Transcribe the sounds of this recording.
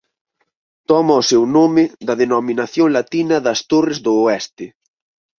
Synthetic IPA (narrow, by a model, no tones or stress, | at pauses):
t̪ɔmɐʊsewnomɪðɐðenominaθjoŋlat̪inɐðɐst̪orɪzðʊːɛst̪ɪ